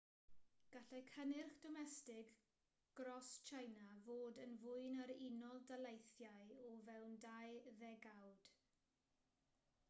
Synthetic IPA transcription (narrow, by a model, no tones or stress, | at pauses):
ɡ̥aɬɛkʰənɪrχd̥ɔmɛstɪɡ | ɡ̥rɔst͡ʃʰajnavoːdənvʊɨnaɾɪnɔlˠdalˠejθjaɨɔvɛwndajðɛɡawd̥